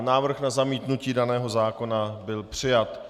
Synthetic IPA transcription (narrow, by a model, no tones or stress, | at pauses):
naːvr̩xnazamiːt̪nuciːdanɛːɦo̞zaːko̞nabɪlpr̝̥ɪjat̪